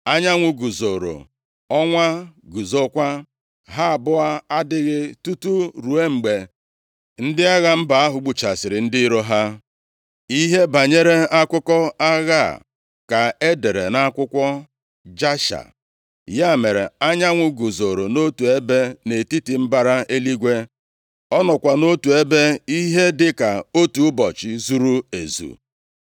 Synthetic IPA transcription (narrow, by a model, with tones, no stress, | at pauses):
a˦ɲa˦ŋʷʊ˨ɡu˨zo˨ɾo̰˨ | ɔ˦ŋʷa˦ɡu˨zo˦kʷa˦ | ɦa˦a˨bʊ˦a˦a˦dɪ˦ɣɪ˦tu˦tu˦ɾu˨e˦ŋ͡m̩˨ɡ͡be˨ | n̩˦dɪ˦a˦ɣa˨m̩˦ba˨a˦ɦʊ˨ɡ͡bu˨t͡ʃa˨sɪ˨ɾɪ˨n̩˦dɪ˦ɾo˦ɦa˦ | i˦ɦe˦ba˨ɲe˦ɾe˦a˦kʷʊ˦kɔ˦a˦ɣa˦˨ | ka˨e˦de˨ɾe˨na˦kʷʊ˦kʷɔ˦ | d͡ʒa˦ʃa̰˨ | ja˦˨me˨ɾe˨a˦ɲa˦ŋʷʊ˨ɡu˨zo˨ɾo˨no˦tu˨e˦be˦ne˨ti˦ti˨m̩˦ba˦ɾa˦e˦li˦ɡʷe˦ | ɔ˦nɔ˨kʷa˨no˦tu˨e˦be˦i˦ɦe˦dɪ˦ka˨o˦tu˨˦bɔ˨t͡ʃɪ˨zu˦ɾu˦ḛ˨zṵ˨